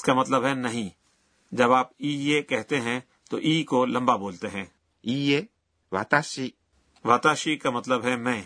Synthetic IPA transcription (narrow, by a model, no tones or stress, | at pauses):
kamɐt̪ləbɦɛnɐɦĩ | d͡ʒɐbaːpiːekɛɦt̪eɦɛ̃ | t̪o̰ʔiːkolɐ̃mbaboːlt̪eɦɛ̃ː | iːe | ʋa̰ːt̪aːʃi | ʋaːt̪aːʃikamɐt̪ləbɦɛmɛ̃ː